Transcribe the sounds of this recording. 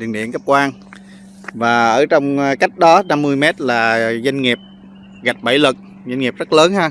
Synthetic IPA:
ɗḭ˧˩ənɗḭ˧˨əŋkə˦˥p̚kwaː˧n | vaː˨˩ʔəː˧˩t͡ɕɔ˧wŋ͡mka˦˥jk̟̚ɗɔ˨˦na˧mːɨ˧əjmɛ˦˥t̚laː˨˩za˧jŋ̟ŋi˨˩əp̚ | ɣa˨˩jk̚ɓa˧˩jlɨ˨˩k̚ | za˧jŋ̟ŋi˨˩p̚zə˦˥t̚ləː˨˦nhaː˧

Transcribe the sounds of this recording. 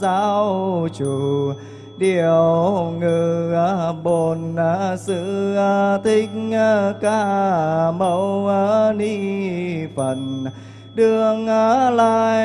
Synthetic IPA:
zaː˧˥wwt͡ɕu˨˩ | ɗi˨˩əwwŋɨ˨˩a˨˩ɓo˧˩naː˨˩sɨ̰˧˥aː˧˩t̪ʰï˧˦k̟̚ːkaː˧˩mə˧˥waː˧ni˧˥˩fə˧˩n | ɗɨ˨˩əŋaː˨˧laː˧˨

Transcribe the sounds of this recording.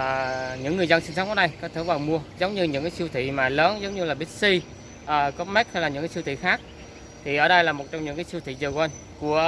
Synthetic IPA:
ɲɨ̰˧˥ŋːɨ˨˩əjzə˧nsi˧ŋsɔ˨˦ŋ͡mʔɔː˧˩ɗə˧jkɔ˧˨˦t̪ʰe˧˩vaː˨˩wmu˧əzə˨˦wŋ͡mɲɨ˧ɲɨ̰˧˥ŋkaː˨˦si˧wt̪ʰḭ˧˨maː˨˩ləː˨˦nzə˨˦wŋ͡mɲɨ˧laː˨˩ɓi˦˥t̚si˧ | ʔəː˨˩kɔ˨˦˥mɛ˦˥t̚ha˧jlaː˨˩ɲɨ̰˧˥ŋkaː˨˦si˧wt̪ʰḭ˧˨xaː˦˥k̚ | t̪ʰi˨˩ʔəː˧˩ɗə˧jlaː˨˩mo˨˩t̚t͡ɕɔ˧wŋ͡mɲɨ̰˧˥ŋkaː˨˦jsi˧wt̪ʰḭ˧˨zəː˨˩kwa˧n | ku˧˩ə

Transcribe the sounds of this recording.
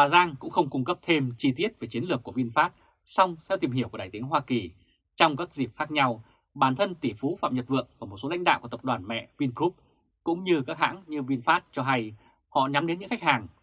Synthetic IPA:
ɓaː˨˩zaː˧ŋkʊ̰˧˥ŋ͡mxə˧wŋ͡mkʊ˧ŋ͡mkə˦˥p̚t̪ʰe˧mt͡ɕi˧t̪i˦˥ət̚ve˨˩t͡ɕi˨˦ənlɨ˨˩əkːu˧˩əvi˧nfaː˦˥t̚ | sa˧wŋ͡msɛ̰˧˥wt̪i˨˩mhi˧˩əwku˧˩ɗaː˨˩t̪i˨˦əŋɦwaː˧ki˨˩ | t͡ɕɔ˧wŋ͡mkaː˦˥k̚zi˨˩p̚xaː˦˥k̚ɲa˧w | ɓaː˨˩nt̪ʰə˧nt̪i˧˩fu˨˦fa̰˧˨mɲə˨˩t̚vɨ̰˧˨əŋvaː˨˩mo˨˩t̚so˨˦l̰a̰˧˥jŋ̟ɗa̰ː˧˨wkt̪p̚ɗwaː˨˩nmɛ̰˧˨vi˧nkɾu˦˥p̚ | kʊ̰˧˥ŋ͡mɲɨ˧kaː˦˥k̚ha̰ː˧˥ŋɲɨ˧vi˧nfaː˦˥t̚t͡ɕɔ˧ɦa˧j | hɔ̰˧˨ɲa˨˦mɗe˨˦nɲɨ̰˧˥ŋxa˦˥k̟̚haː˨˩ŋ

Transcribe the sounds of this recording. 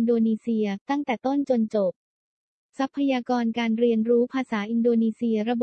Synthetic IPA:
ndoː˧niː˧si˧ɐt̪a˥˩ŋt̪ɛː˨˩t̪o˥˩nt͡ɕo˧nt͡ɕo˨˩p̚ | sa˦˥pʰːa˧jaː˧kɔː˧nkaː˧nɾi˧ənɾuː˦˥pʰaː˧saː˩˦ʔi˧ndoː˧niː˧si˧ɐɾa˧bo˨˩

